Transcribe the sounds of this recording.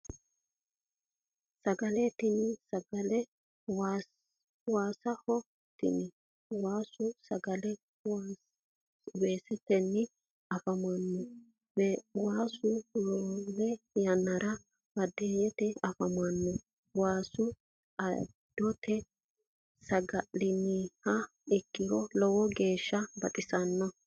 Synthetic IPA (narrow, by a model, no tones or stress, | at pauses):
sɐɡɐlɛt̪ɪnɪsɐɡɐlɛ | waːsɐhɔ | t̪ɪ̰nɪ | waːsʊsɐɡɐlɛ | w | be̞ːsɛtːɛnːɪ | ɐfɐmanːɔ | waːsʊlɔːbɛjɐnːɐɾʔɐ | bɐd̪ɛjɛt̪ɛɐfɐmɐnːɔ | waːsʊ | ɐ | d̪̥ɔt̪ʰɛ | sɐɡɐlɪnihɐ | ɪkːɪɾɔlɔwɔɡe̞ːʃːɐbɐt̪ʼɪsɐnːɔ